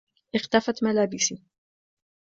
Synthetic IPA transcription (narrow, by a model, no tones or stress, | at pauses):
ʔɪxt̪afat̪malaːbɪsi